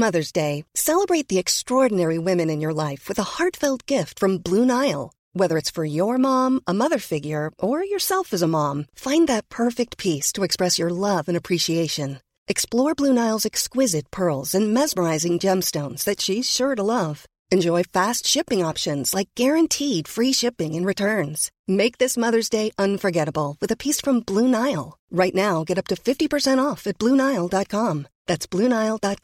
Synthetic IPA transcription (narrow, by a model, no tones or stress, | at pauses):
mʌðə˞zdeɪsɛlˠəbɹeɪt̪̚ðiɨkstɹ̥ɔɹdⁿn̩ɛɹiwɪ̃mɨ̃nɨ̃njə˞laɪfwɨðəhɑɹtfɪlˠd̚ɡ̥ɪftfɹʌ̃mblũnaɪl̩ˠ | wɛðə˞ɨtsfə˞jə˞mɑ̃mʔəmʌðə˞fɪɡjə˞ʔə˞jə˞sɛlˠfɨzəmɑ̃mfãɪ̃nðɨt̚pʰɜ˞fɪk̚t̚pʰistʰəɨkspɹɛsjə˞lʌvɨ̃ñɨpʰɹ̥iʃieɪʃɨ̃n | ʔɨksplɔɹblʉnaɪl̩ˠzɨkskwɪzɨt̚pʰɜ˞lˠzɨ̃nmɛzmə˞aɪzɪ̃ŋd͡ʒɛ̃mstõʊ̃nz̥ðɨtʃiz̥ʃʊɹɾəlʌv̥ | ɨ̃nd͡ʒɔɪfæstʃɪpɪ̃ŋɑpʃɨ̃nz̥laɪk̚ɡ̥ɛɹɨ̃ntʰid̥fɹiʃɪpɪ̃ŋɨ̃nɹɨtʰɜ̃˞nz̥ | meɪk̚ðɪsmʌðə˞zdeɪʔʌ̃nfə˞ɡɛɾəbl̩ˠwɨðɨpʰisfɹʌ̃mblunaɪl̩ˠɹaɪtⁿnaʊɡɛɾʌp̚tʰɨfɪftipə˞sɛ̃ɾ̃tɔfɨt̚b̥lunaɪl̩ˠdɑt̚kʰɑ̃mðætsb̥lʉnaɪlˠdɑt̚